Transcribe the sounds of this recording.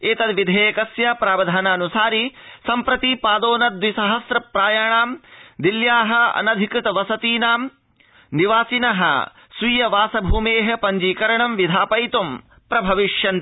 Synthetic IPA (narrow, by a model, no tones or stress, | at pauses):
eːt̪ɐd̪ʋid̪ʱeːkɐsjɐpɾaːbɐd̪ʱaːnaːnusaːɾisɐmpɾɐt̪ipaːd̪oːnɐd̪ʋisɐɦɐsɾɐpɾaːjaːɳaːmd̪iljaːɦɐ̆ɐ̰nɐd̪ʱikɾɪt̪ɐʋɐsɐt̪iːnaːm | niʋaːsinɐɦɐ̰ | sʋiːjɐʋaːsɐbʱuːmeːɦɐ̆pɐɲd͡ʒiːkɐɾɐɳɐmʋid̪ʱaːpɐjt̪um | pɾɐbʱɐʋiʂjɐn